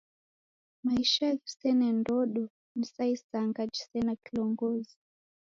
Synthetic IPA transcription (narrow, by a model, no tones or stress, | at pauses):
maiʃaɛfi̥sɛnɛndɔɗɔ | m̩saisaŋɡad͡ʒi̥sɛnakilɔŋɡɔzi